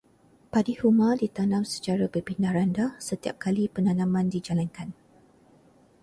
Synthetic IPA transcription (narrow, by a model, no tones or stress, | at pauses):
padihumadit̪anãmsə̥t͡ʃaɾabəpindahɾandasət̪ia̰p̚kalipənanãmãndid͡ʒalankan